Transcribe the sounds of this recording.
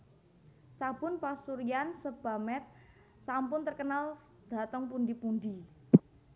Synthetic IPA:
sab̥ʊ̤npasuɾiansəb̥a̤mɛt̪̚ | sampʊnt̪ərkənal | d̪̥a̤t̪əŋpund̪ipund̪i

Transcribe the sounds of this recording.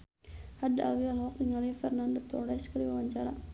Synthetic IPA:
hada̰wialhɔkniŋalifɛrnandɔt̪ɔɾaskəɾiwawaɲt͡ʃaɾa

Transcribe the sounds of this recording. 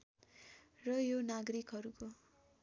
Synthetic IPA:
rʌjonaɡɾikɦʌɾuko

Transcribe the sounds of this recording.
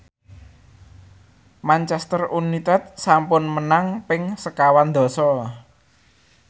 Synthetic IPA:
mant͡ʃɛst̪ərunit̪ɛt̪̚sampʊnmənaŋpɪŋsəkawand̪ɔ̤sɔ

